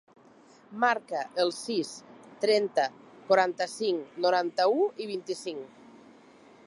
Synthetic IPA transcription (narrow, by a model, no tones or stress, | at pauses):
maɾkəʔəlˠsist̪ɾɛnt̪ə | kwaɾant̪əsiŋnoɾant̪auiβ̞int̪isiŋ